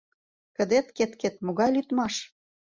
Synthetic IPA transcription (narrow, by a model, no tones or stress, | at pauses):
kə̆d̪et̪ket̪ket̪̚moɣɑjlyt̪mɑʃ